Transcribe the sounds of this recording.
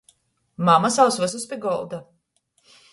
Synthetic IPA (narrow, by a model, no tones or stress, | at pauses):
mamasawsvɨs̬uspʲiɡɔlˠd̪a